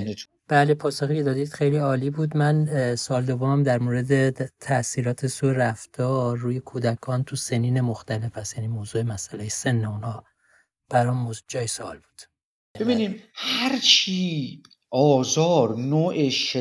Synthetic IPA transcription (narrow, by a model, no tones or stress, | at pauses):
ne | b̥æːlepʰɒːsoxiːcʰe̞d̪ɒːd̪iːd̪̥xe̞jliːɒːliːbuːd̪mænsoɒld̪ovomæmd̪æɾmoːɾe̞d̪e̞t̪ʰæʔsiːɾɒːt̪ʰe̞sueɾæft̪ʰɒːɾːuːjekʰuːd̪ækʰɒːnt̪ʰuseniːnemoxt̪æle̞fæst̪jænimoːzuːemæsʔælejese̞nːeunhɒː | b̥æɾɒmːoːzud͡ʒɒːjesoɒ̰ːlbuːd̪̥ | jæbebiːniːmhhæɾt͡ʃʰiː | ɒːzɒːɾnoːʔeʃe